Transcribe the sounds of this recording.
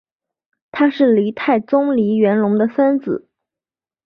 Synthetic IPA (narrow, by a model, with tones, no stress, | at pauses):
t̪ʰa˥ʂɻ̩˥˩li˧˥t̪ʰa˥˩ɪt͡sʊ˥ŋli˧˥ɥɛ˧˥nlʊ˧˥ŋd̪ə˧fə˥nd͡zɹ̩˨˩˦